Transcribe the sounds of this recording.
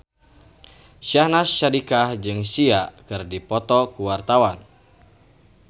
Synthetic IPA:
ʃiahnasːadikahd͡ʒɨŋsiakɨrdipɔt̪ɔkuwart̪awan

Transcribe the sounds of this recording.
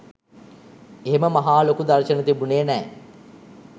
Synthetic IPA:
eɦeməmaɦaːlokud̪arʃənət̪ibuneːnɛː

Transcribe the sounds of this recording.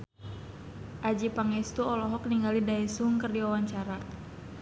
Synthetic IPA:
ʔad͡ʒipaŋɛst̪uɔlɔɦɔk̚niŋɡalidaisuŋkɨrdiwawaɲt͡ʃaɾa

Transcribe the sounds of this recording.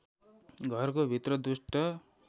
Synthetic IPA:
ɡʱʌrkobʱit̪rʌd̪usʈʌ

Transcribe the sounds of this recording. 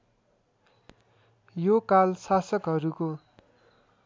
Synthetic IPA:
jokalsasʌkɦʌɾuko

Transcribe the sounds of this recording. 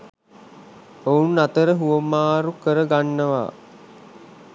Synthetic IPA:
ounːat̪əɾəɦuʋəmaːɾukəɾəɡanːəʋa̰ː

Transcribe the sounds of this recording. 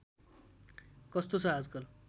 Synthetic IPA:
kʌst̪osʰʌɦad͡zkʌl

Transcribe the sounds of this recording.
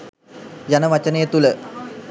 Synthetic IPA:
janəʋat͡ʃənəjət̪ulə

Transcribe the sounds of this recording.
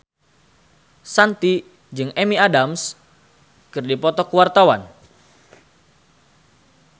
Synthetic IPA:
sant̪i | d͡ʒɨŋʔɛmiadams | kɨrdipɔt̪ɔkuwart̪awa̰n

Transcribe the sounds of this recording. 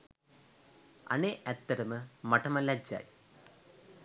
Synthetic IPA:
ɐ̰neʔɐt̪ːɐɾɐmɨmɐʈʰɐmɐlɐd͡ʑa̰ːj

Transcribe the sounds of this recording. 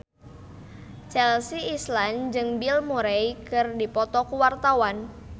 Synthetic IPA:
t͡ʃɛlsiːsland͡ʒɨŋbilmuɾejkɨrdipɔt̪ɔkuwart̪awan

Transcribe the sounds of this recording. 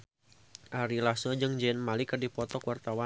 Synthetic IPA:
ʔaɾilasɔd͡ʒɨŋd͡ʒɛnmalikərdipɔt̪ɔkwart̪awa

